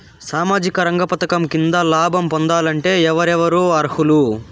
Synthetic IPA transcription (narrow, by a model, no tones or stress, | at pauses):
saːmaːd͡ʒikɐɾɐŋɡɐpɐt̪ɐkɐmkind̪ɐlaːbʱɐmpond̪aːlɐɳʈe̞ːɛʋɐɾɛʋɐɾuɐɾhulu